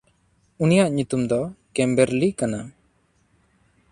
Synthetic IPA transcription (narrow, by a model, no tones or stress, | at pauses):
unijaʔɲut̪umd̪ɔkɛmbɛɾlikana